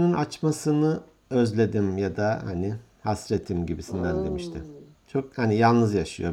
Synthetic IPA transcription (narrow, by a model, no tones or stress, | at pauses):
nynat͡ʃmasɯnɯ | øzlʲe̞d̪imjad̪aha̰ni | hasɾet̪ʰːimɟibisinːæɾd̪e̞miʃt̪ʰɪ | t͡ʃʰo̞k̚hanijalˠnɯzjaʃɯjo̞